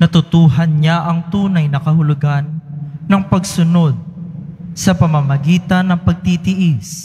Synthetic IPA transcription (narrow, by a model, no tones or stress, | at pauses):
nɐt̪ʊt̪uːhɐnɲaʔɐŋt̪uːnɐjnɐkɐhʊlʊɡanːɐŋpɐɡsʊno̞d̪̚ | sɐpɐmɐmɐɡiːt̪ɐnːɐŋpɐɡ̚t̪iːt̪ɪʔɪs